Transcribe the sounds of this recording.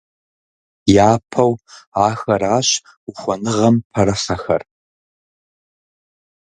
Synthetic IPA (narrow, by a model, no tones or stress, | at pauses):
jaːpʰɐwaːxɐraːɕ | ʊxʷɔnɨʁɐmpʰɐɾɐsɐxɐr